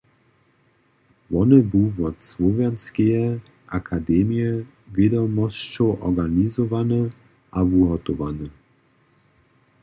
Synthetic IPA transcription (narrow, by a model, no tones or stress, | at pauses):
vɔnəbuvɔt͡svɔvjanskɛjɛ | ʔakʰadɛmijɛ | vjed̪ɔmɔst͡ʃɔʔɔ̰ɡanizɔvanə | ʔavuɦɔt̪ɔvanə